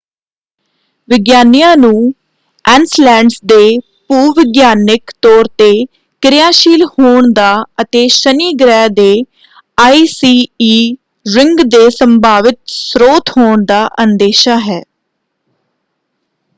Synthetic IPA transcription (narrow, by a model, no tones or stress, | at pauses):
ʋɪɡjaːnijãːnũː | ɛ̃ːnslɛ̃ːɳɖsd̪eː | puːʋɪɡjaːnɪkt̪ɔːɾt̪eː | kɪɾɪjaːʃiːlhoːɳd̪aːət̪eːʃəniːɡɾɛːd̪eː | aːiːsiːiː | ɾɪŋɡd̪eːsəmbaːʋɪt̪sɾoːt̪ɦoːɳd̪aːʔənd̪eːʃaːɦɛː